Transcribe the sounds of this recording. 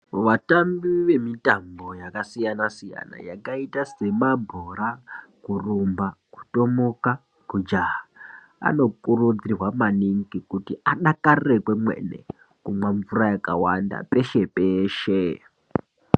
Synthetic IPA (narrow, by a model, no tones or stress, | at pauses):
ʋatambiʋe̞mitambo̞jakasijanasija̰na̰ja̰kaitase̞mabʱoɾakurumbaku̥to̞moka | kud͡ʒaɦa | a̰no̞kurud͡zirwamaniŋkikutiaɗakarrekwemwḛnḛ | kumwaɱvurajakawanda̰pe̞ʃe̞peːʃe